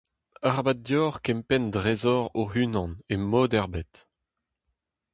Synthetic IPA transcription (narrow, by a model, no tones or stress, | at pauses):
aʁbat̚d̪jɔːʁkɛmpɛndʁɛzɔʁohynɑ̃nemoːd̪ɛʁbɛt̪